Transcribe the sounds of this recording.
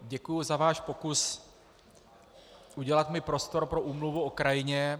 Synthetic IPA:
ɟɛkujʊzavaːʃpo̞kus | ʔuɟɛlat̪mɪpɾo̞st̪o̞ɾpɾo̞ʔuːmluvuokɾajɪɲɛ

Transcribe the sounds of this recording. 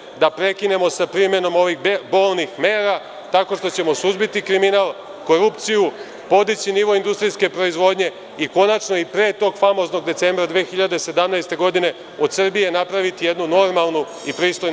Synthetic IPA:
d̪apɾe̞kine̞mo̞sapɾime̞no̞mo̞ʋixbo̞ːlnixmeːɾa | t̪ako̞ʃt̪o̞t͡ɕe̞mo̞suzbit̪ikɾiminalˠ | ko̞ɾupt̪siju | po̞d̪it͡ɕiniʋo̞ind̪ust̪ɾiske̞pɾo̞izʋo̞d̪ɲe̞ | iko̞nat͡ʃno̞ipɾe̞ːt̪o̞ːɡfamo̞zno̞ɡd̪e̞t̪se̞ːmbɾad̪ʋeːxiʎad̪e̞se̞d̪amnajst̪e̞ɡo̞d̪ine̞ | o̞d̪sr̩bije̞napɾaʋit̪ijed̪nuno̞ɾmalˠnu | ipɾiːst̪o̞j

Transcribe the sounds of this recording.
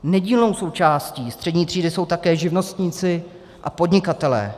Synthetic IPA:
nɛɟiːlno̞wso̞wt͡ʃaːsciːst̪r̝̥ɛdɲiːt̪r̝̥iːdɪso̞wt̪akɛːʒɪvno̞st̪ɲɪt͡sɪ | ʔa̰po̞dɲɪkat̪ɛlɛ̰ː

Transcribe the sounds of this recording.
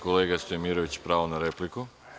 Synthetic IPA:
koleːɡast̪ojemiːɾoʋit͡ɕpɾaːʋonaɾepliku

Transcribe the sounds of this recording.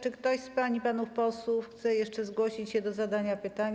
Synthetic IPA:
t͡ʂɘkt̪ɔɕspaɲipanufpɔswufxt̪sɛjɛʂt͡ʂɛzɡwɔɕit͡ɕɕɛd̪ɔzad̪aɲapɘt̪aɲ

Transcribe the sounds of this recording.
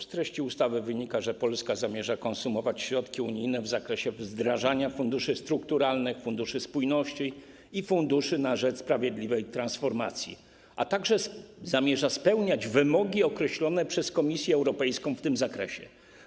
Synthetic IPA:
st̪ɾɛɕt͡ɕiust̪avɘvɘɲikaʐɛpɔlskazamʲjɛʐakɔnsumɔvat͡ɕɕɾɔt̪kʲiuɲijnɛvzakɾɛɕɛvzd̪ɾaʐaɲafund̪uʂɘst̪ɾukt̪uɾalnɘxfund̪uʂɘspujnɔɕt͡ɕi | ifund̪uʂɘnaʐɛt͡ʂspɾavʲjɛd̪lʲivɛjt̪ɾãnsfɔɾma̰t̪sʲjḭ | at̪aɡʐɛzamʲjɛʐaspɛwɲad͡ʑvɘmɔɡʲiɔkɾɛɕlɔnɛpʂɛskɔmʲisʲjɛɛwɾɔpɛjskɔ̃w̃ft̪ɘmzakɾɛɕɛ̰

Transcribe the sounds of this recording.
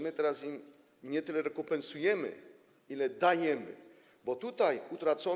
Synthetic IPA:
mɘt̪ɛɾasim | ɲɛt̪ɘlɛɾɛkɔmpɛnsujɛmɘ̰ | ilɛd̪ajɛmɘ̰ | bɔt̪ut̪ajut̪ɾat̪sɔ

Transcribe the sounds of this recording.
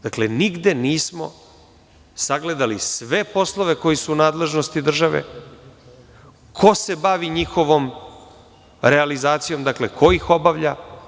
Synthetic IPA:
d̪akle̞niɡd̪e̞niːsmo̞̰ | saɡle̞d̪alisʋe̞po̞slˠoʋe̞ko̞jisuːnaːd̪le̞ʒno̞st̪id̪r̩ʒaʋḛ | kʰo̞se̞baʋiɲixo̞ʋo̞m | ɾealizaːt̪sijo̞md̪akle̞kʰo̞ixo̞baʋʎa

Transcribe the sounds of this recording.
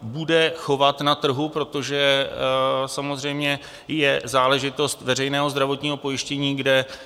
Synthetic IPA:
budɛxo̞vat̪nat̪r̩ɦupɾo̞t̪o̞ʒɛ | samo̞zr̝ɛjmɲɛ | jɛzaːlɛʒɪt̪o̞st̪vɛr̝ɛjnɛːɦo̞zd̪ɾavo̞t̪ɲiːɦo̞po̞jɪʃcɛɲiːɡdɛ

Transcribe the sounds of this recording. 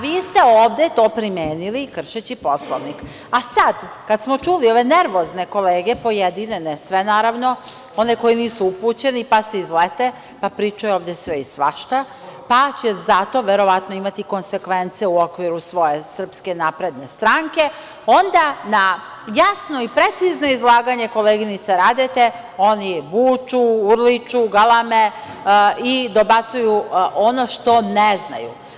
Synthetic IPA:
ʋiːst̪e̞oːʋd̪je̞t̪o̞ːpɾimjeːnilikr̩ʃet͡ɕipo̞slˠoʋnik | asad̪kad̪smo̞t͡ʃulio̞ʋe̞ne̞ɾʋo̞zne̞ko̞leːɡepo̞jed̪inenesʋe̞naːɾaʋno̞ | o̞neko̞jiniːsuupuːt͡ɕe̞nipaseizlet̪e | papɾiːt͡ʃujuoːʋd̪jesʋeisʋa̰ʃt̪a | pat͡ɕezat̪o̞ʋeɾo̞ʋat̪no̞imat̪iko̞nse̞kʋe̞nt̪sijeuokʋiɾusʋo̞je̞sr̩pske̞napɾe̞d̪ne̞st̪ɾaŋke̞ | o̞nd̪ana | jasno̞ipɾe̞t̪sizno̞izlˠaːɡaɲe̞ko̞leɡinit̪saɾad̪et̪e̞ | o̞nibuːt͡ʃuuɾlit͡ʃuɡalˠame | id̪o̞bat̪sujuono̞ʃt̪o̞nezna̰jṵ

